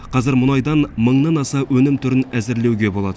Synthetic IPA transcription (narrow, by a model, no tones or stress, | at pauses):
qʰɑzɪɾmʊnɑjd̪ɑnməɴnɑnɑsɑwɵnɪmt̪ʰʊɾɪnæzɪɾle̞wɡʲe̞bo̞lˠɑd̪ə